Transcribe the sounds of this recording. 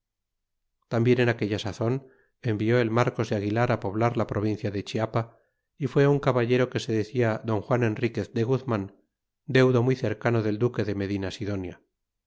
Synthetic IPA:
t̪ambje̞ne̞nake̞ʎasaθo̞n | e̞mbio̞e̞lmaɾko̞zðeaɣilaɾapo̞β̞laɾlapɾʔo̞βin̟θjaðe̞t͡ʃiapa | ifwe̞auŋkaβaʝe̞ɾo̞ke̞se̞ðe̞θiaðo̞ŋxwanenrike̞θd̪eɣuðmãn | d̪e̞wðo̞mjθe̞ɾkano̞ðe̞ld̪uke̞ðe̞me̞ðinasiðo̞nja

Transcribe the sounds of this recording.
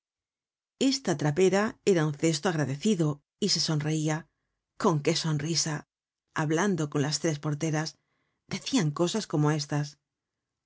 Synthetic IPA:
e̞st̪at̪ɾape̞ɾae̞ɾaunθe̞st̪oaɣ̞ɾaðe̞θiðo̞ | ise̞so̞nre̞ia | ko̞ŋke̞so̞nrisa | aβland̪o̞ko̞nlast̪ɾe̞spo̞ɾt̪e̞ɾas | d̪̥e̞θiaŋko̞sasko̞mo̞e̞s̬t̪as

